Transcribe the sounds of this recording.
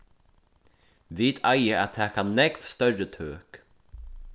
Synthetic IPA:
ʋiːt̪ʰɑɪəɑt̪hæːkʰɑnnɛɡfst̪œɾət̪ʰøːk

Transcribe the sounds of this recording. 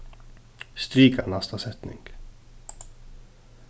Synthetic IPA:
st̪ɾiːkanast̪ʰasɛt̪nɪ̰ŋɡ̥

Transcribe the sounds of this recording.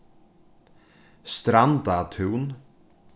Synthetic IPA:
st̪ɾand̪at̪ʰʉwn

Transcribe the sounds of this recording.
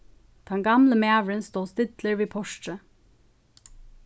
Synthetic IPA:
d̪̥ɛŋɡɑmləmeːʋɹənst̪oːst̪ɪd̪ləɹʋiːpʰɔʃʈə

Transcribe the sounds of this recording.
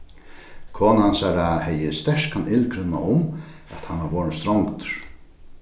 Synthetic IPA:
kʰoːnhansaːɾahɛjɪst̪ɛʂkanɪlkɾɪnːa̰ʔʊm | ɛ̰t̪hanːavɔːɾənst̪ɾɔwŋkt̪ʏɾ̥

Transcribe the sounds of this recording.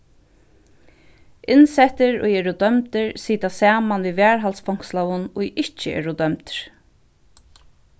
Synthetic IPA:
ʔɪnsɛt̪əɾʊ̰jɛːɾud̪œmt̪əɹsiːt̪asaːmanʋiʋɛːɹɦalsfɔŋ̥kslawʊnʊjɪht͡ʃəɛ̰ːɾud̪œmt̪ɾ̥

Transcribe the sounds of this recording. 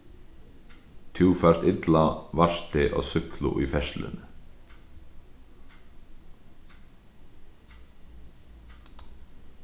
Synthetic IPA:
t̪ʰuːfaɾ̥t̪ɪt̪lavar̥t̪ɪʔɔ̰ɣsʏklʊ̰ʔʊjfɛʃlɪ̰n

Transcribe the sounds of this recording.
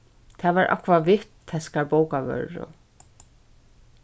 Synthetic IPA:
t̪ʰavaɾʔɔ̰hkvavɪht̪θɛskaɾpoːwkavœ̰ɾɾʊ̰

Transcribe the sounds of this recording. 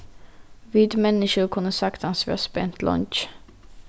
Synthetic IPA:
viːd̪mɛnːɪʂʊɾkʰɵnːəsakt̪ɑnsvœ̰spɛnt̪ʰlʔɔ̰nt͡ʃ

